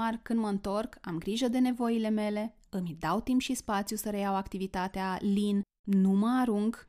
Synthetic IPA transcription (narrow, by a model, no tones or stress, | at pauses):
arkɨnd̪məɨnt̪o̞rkamɡɾiʒəd̪e̞ne̞vo̞ile̞me̞le̞ | ɨmʲid̪awt̪impʃispat̪sjusəɾe̞jawakt̪ivit̪at̪ealinː | uməaɾuŋɡ